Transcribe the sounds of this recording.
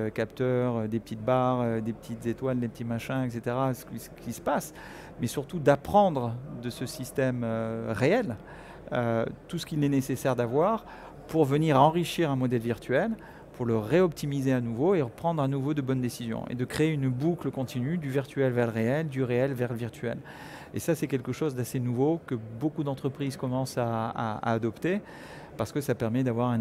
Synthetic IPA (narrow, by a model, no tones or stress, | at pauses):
økʲapt̪œʁød̪epət̪ʰit̪̚baʁød̪epə̥t̪ʰit̪zet̪wald̪epə̥t̪imaʃɛ̃ɛks̬et̪eʁasə̥ksə̥kʰʲisə̥pas | mɛsyʁt̪ud̪apχɑ̃d̪ʁəd̪əsəsist̪ɛmøʁeɛl | ø̰t̪usə̥kilɛnesesɛʁd̪avwaʁ | puʁvəniʁaɑ̃ʁiʃiʁɛ̃mɔd̪ɛlviʁt̪ɥɛl | puʁləʁeɔp̚t̪ʰimizeanuvoeʁəpχɑ̃d̪ʁanuvod̪əbɔnd̪esizjɔ̰̃ʔḛd̪əkχeːynbukləkɔ̃t̪ʰinyd̪yviʁt̪yɛlvɛʁləʁeɛld̪yʁeɛlvɛʁləviʁt̪ɥɛ̰l | ḛsasɛkʲɛlkəʃozd̪asenuvokəbokud̪ɑ̃t̪χəpχizkɔmɑ̃saa̰a̰ːd̪ɔpt̪e | paʁsə̥kəsapɛʁmɛd̪avwaʁɛ̃